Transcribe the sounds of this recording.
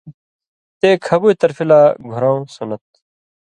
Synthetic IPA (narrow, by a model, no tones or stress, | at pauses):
t̪eːkʰɐbuit̪ɐɾfilaːɡʱuɾãːũsunɐt̪̚